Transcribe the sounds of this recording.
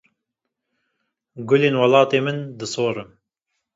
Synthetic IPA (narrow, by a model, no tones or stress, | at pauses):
ɡʊleːnwɑlɑːt̪eːmɨnd̪ɨsoːɾɨm